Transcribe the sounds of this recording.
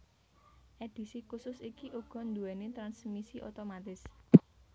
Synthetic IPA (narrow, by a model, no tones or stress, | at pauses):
ʔed̪̥i̤sikusʊsikiʔuɡ̥ɔ̤nd̪uɛnet̪ɾansmisiʔot̪omat̪ɪs